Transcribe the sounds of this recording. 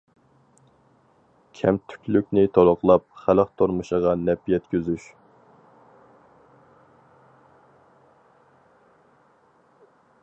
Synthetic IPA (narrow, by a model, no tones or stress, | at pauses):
kʲʰɛmt̪ʰy̥kʲlykʲnɪt̪ʰolˠʊqlˠɑp̚χæləqt̪ʰoɾmɨʃəʁɑnɛpjɛt̪kʲʰøzyʃ